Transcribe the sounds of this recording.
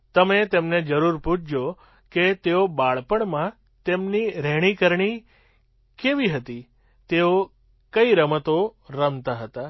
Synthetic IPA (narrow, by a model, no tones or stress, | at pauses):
t̪əmet̪emned͡ʒəɾuɾpũt͡ʃd͡ʒo | ket̪eobaɭpəɳmã | t̪emniɾɛɽ̃ikəɾɳi | keʋiɦət̪i | t̪eo | kəiɾəmət̪oɾəmt̪aɦət̪a